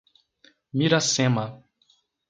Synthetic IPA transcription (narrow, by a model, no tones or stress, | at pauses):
miɾasẽmɐ